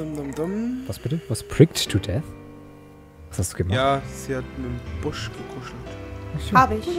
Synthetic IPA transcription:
ʊmdʊmdʊmvasb̥ɪtəvaspʰɹ̥ɪkttʰːudɛθ | vashastd̥uːɡəmaaːz̥ihatmɪmb̥ʊʃɡ̥əkʰʊʃl̩tahaːbəɪç

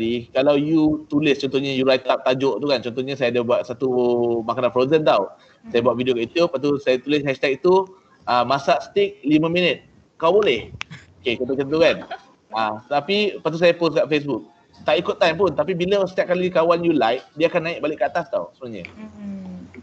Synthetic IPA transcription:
dikalawjut̪ulɪst͡ʃɔnt̪ɔhɲajuɾajt̪ap̚t̪ad͡ʒɔʔt̪ukant͡ʃɔnt̪ɔhɲasajadəbuat̪̚sat̪umakananfɾonzənt̪aw | sajabuat̪̚vidiokajut̪upːat̪usajat̪ulɪs̬ːajast̪ak̚t̪u | ʔamãsaʔst̪ɪk̚limə̃mĩnət̪̚ | kawbolɛhoket͡ʃɔnt̪ɔt͡ʃənt̪ukan | at̪apipat̪̬us̬ajaposkaʔfes̬buk̚ | t̪aʔikʊt̪ːajmpʊnt̪apibiləsə̥t̪iaʔ̚kalikawanjulajf̚diaakanːãɪʔ̚balɪʔkːəat̪ast̪awsəbənaɲə̰

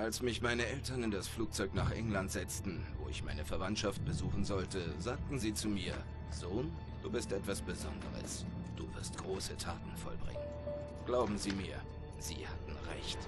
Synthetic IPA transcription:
ʔalsmɪçmaɪnəʔɛltɐnɪndasfluːk̚t͡sɔʏknaːχʔɛ̰ŋlantz̥ɛt͡stn̩vo̰ːɪ̰çmaɪnəfɛɐvantʃaft̚b̥əzuːxn̩zɔltəzaːk̚tn̩ziːt͡sumiːɐ | zoːn | d̥uːbɪstʔɛtv̥asb̥əzɔ̰ndə̰ʁə̰s | d̥ṵːvɪɐstɡ̥ʁoːsətʰa̰ːtn̩fɔ̰lbʁɪ̰ŋən | ɡ̥laʊbm̩ziːmiːɐ | z̥ḭːhatn̩ʁɛ̰çt

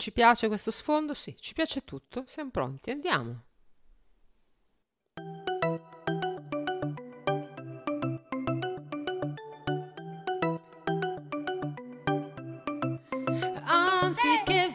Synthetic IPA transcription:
t͡ʃipjaːt͡ʃekwest̪osfond̪osit͡ʃi̥pjaːt͡ʃet̪ut̪ʰːosjamopɾo̰nt̪iand̪ja̰ːmo | ant̪sikːe

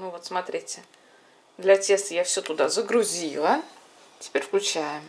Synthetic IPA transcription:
nuvot̪smɐt̪ɾʲitʲɪ | d̪lʲɐtʲe̞st̪əjafsʲɵt̪ʊd̪azəɡɾʊzʲilˠə | tʲɪ̥pʲeɾʲfklʲʉt͡ɕæjɪm

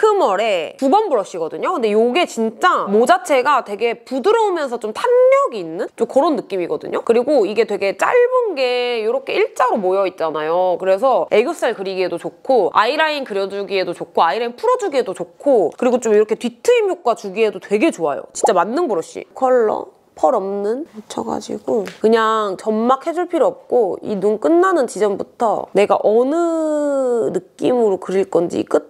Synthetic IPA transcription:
kɯmʌɾe̞pubʌnbuɾʌɕ͈iɡʌdɯɲokɯnde̞joɡe̞t͡ɕint͡ɕ͈amod͡ʑat͡ɕʰe̞ɡatwe̞ɡe̞pudɯɾʌumjʌns̬ʰʌt͡ɕ͈omtʰanmjʌɡiːnːɯnt͡ɕ͈omkʌɾonːɯk͈imiɡʌdɯ̰ɲokɯɾiɡoiɡe̞twe̞ɡe̞t͡ɕ͈a̰ɭbunɡe̞joɾʌkʰe̞iɭt͡ɕ͈aɾomojʌit̚t͡ɕ͈anajokɯɾe̞sʰʌe̞ɡjos͈aɭkɯɾiɡiɦe̞dot͡ɕokʰoa̰iɾainkɯɾjʌd͡ʑuɡie̞dot͡ɕokʰoaiɾainpʰuɾʌd͡ʑuɡiɦe̞dot͡ɕokkʰokɯɾiɡot͡ɕ͈omiɾʌkʰetwɥitʰɯimjok̚k͈wat͡ɕuɡie̞dotwe̞ɡe̞t͡ɕoajo̰t͡ɕint͡ɕ͈amanːɯnboɾʌɕ͈ḭkʰʌɭːʌ̰ | pʰʌɾʌmnɯnmot͡ɕʰʌɡa̰d͡ʑḭɡ̥okɯɲaŋt͡ɕʌmːakʰhe̞d͡ʑuɭpʰiɾiʌp̚k͈oḭnunk͈ɯnːanɯnt͡ɕid͡ʑʌmbutʰʌ̰ne̞ɡa̰ʔʌnɯ | nɯk͈imɯɾokɯɾiɭk͈ʌnd͡ʑḭk͈ɯt̚

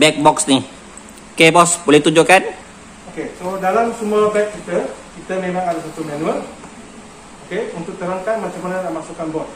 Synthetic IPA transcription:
bɛk̚bɔksni | kebɔsbolɛht̪uɲd͡ʒukan | okesodalamsumuabɛk̚kit̪əkit̪əmemãŋadasat̪umanũəl | okeunt̪ʊk̚t̪əɾaŋkanmat͡ʃamananaʔmasukanbɔs

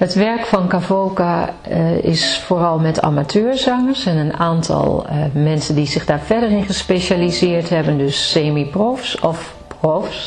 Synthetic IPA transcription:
ɦətʋɛɹkfɑnkavolka | ɪ̰sfoːrɑlˠmɛtʰa̰matʰøːɹzɑŋəɹsɛnənaːntʰɑ̰lˠmɛnsəndizɪɣdaːɹvɛɹdərɪnχəspeʃalizɪːɹtɦɛbəndɵsːeːmiprɔfsɔf | prɔfs

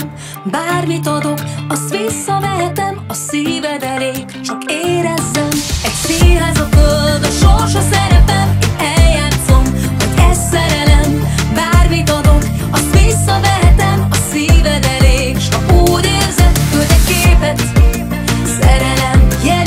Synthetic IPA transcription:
baːrmit̪ɒd̪o̞kɒst̪ʋisːɒvɛɦɛt̪ɛmɒsiːvɛd̪ɛleːkt͡ʃɒkeːɾɛzːɛmɛɟseːɦɛzɒfølld̪ɒʃorʃɒsɛɾɛpɛmɛljaːt̪so̞mhoɟɛssɛɾɛlɛm | baːrmit̪ɒd̪o̞k | ɒst̪ʋisːɒvɛɦɛt̪ɛmɒsiːvɛd̪ɛleː | ʃɒuːɟeːrzɛt̪føld̪ɛkeːpɛt̪ | sɛɾɛlɛmjɛ

